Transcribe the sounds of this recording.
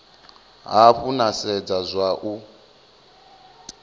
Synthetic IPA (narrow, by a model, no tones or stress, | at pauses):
ɦaɸunasɛd͡zazʷaʔu